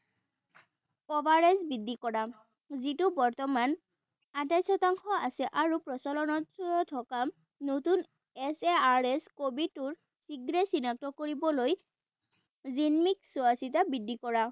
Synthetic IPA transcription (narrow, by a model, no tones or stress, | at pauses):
kɔbaɹɛsbidʱːikɔɹa | zitʊbɔɹt̪ɔman | atajsɔtaŋxɔasɛʔaɹupɹɔsalɔnɔtɔtʰɔkam | notun | ɛseaɹɛskobitʊɹ | siɡɹɛsinak̚tɔkoɹibɔloj | zinmiksuasitabidʱːikɔɹa